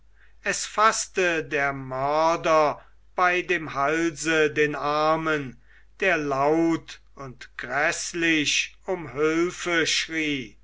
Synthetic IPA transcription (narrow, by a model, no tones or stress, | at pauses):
ɛsfastədeːɐmœɐdɐ | b̥aɪdeːmhalzədeːnaɐmən | d̥eːɐlaʊt | ʊntɡ̥ʁɛslɪʃ | ʊmhʏlfəʃʁiː